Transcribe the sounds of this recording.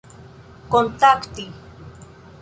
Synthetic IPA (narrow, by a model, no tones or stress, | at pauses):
kont̪akt̪i